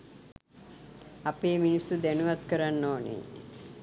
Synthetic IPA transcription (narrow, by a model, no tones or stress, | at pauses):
apeːminisːud̪ænuʋat̪kəɾanːoːnḛ